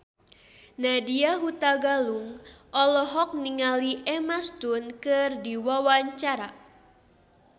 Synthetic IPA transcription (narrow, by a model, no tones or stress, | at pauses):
nadiaɦut̪aɡaluŋʔɔlɔɦɔk̚niŋaliʔɛmast̪unkɨrdiwawaɲt͡ʃaɾa